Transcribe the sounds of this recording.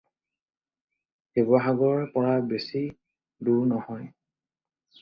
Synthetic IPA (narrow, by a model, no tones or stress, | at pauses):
hebɔxaɡɔɹpɔɹabesi | duɹnɔhɔj